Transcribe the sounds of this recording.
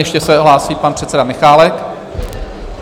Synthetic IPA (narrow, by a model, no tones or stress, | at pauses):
jɛʃcɛsɛɦlaːsiːpanpr̥ɛt̪t͡sɛdamɪxaːlɛk